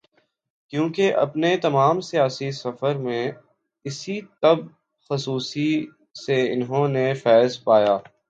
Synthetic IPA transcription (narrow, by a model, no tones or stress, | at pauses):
kjũːkeʔɐ̰pnet̪ɐmaːmsijaːsisɐfəɾmẽ | ɪsit̪ɐb̚ | xʊsuːsi | seɪnɦõnefɛːzpaːjaː